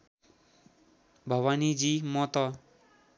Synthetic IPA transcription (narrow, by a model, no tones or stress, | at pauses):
bʱʌwanid͡zimʌt̪ʌ